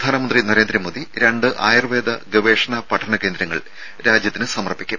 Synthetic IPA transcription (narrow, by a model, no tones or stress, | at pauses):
ɐd̪ʱaːnɐmɐndrinɐɾe̞ːnd̪ɾɐmoːd̪iɾɐɳɖɨʔaːjrʋeːd̪ɐ̰ɡɐʋeːʂɐɳɐpɐʈʰːɐɳɐke̞ːnd̪ɾɐŋːɐ̰ɭ | ɾaːd͡ʑjɐt̪ːinɨsɐmɐrpːikʲːum